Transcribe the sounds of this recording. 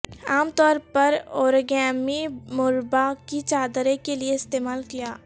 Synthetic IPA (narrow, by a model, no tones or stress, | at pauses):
aːmt̪ɔːɾpɐɾoːɾɡɛːmimʊɾbakit͡ʃaːd̪ɾẽkelieɪst̪eːmaːlkijaː